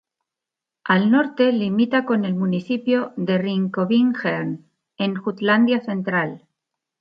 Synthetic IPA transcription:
alno̞ɾt̪e̞limit̪ako̞ne̞lmuniθipjo̞ðe̞riŋkoβiŋxeɾn | e̞ŋxut̪land̪jaθe̞nt̪ɾal

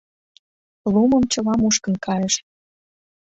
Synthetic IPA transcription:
lumə̆mt͡ɕɤ̆lɑmuʃkə̆nkʰɑjəʃ

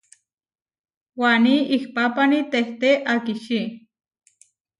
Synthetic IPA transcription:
waniihpapanit̪eht̪eʔakiʃi

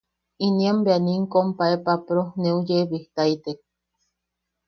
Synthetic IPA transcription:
iniambeaniŋkompaepapɾoneujeβiht̪ait̪ek̚

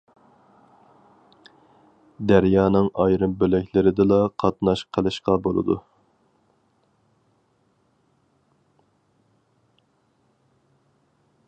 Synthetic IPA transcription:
d̪æɾjɑːnɨŋɑjɾɨmbølɛkʲlɪɾɪd̪ɪlˠɑqʰɑt̪nɑʃqʰəlˠɨʃqɑbolˠɨ̰d̪ṵ

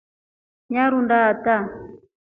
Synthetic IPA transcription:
ɲaɾundaːta

